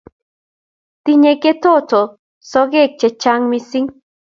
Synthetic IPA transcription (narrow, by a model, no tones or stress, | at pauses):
t̪iɲeket̪ʰot͡so | soɣek̚t͡ʃet͡ʃaŋmisiŋ